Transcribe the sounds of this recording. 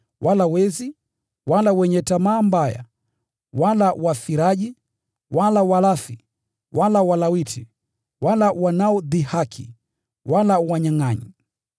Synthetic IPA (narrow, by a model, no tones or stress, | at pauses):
wʔalawɛzi | walawɛɲɛtamaːmbaja̰ | walawafiɾaʄi | walawalafi | walawalawitʰi | walawanaɔðihakʰḭ | walawaɲaŋaɲi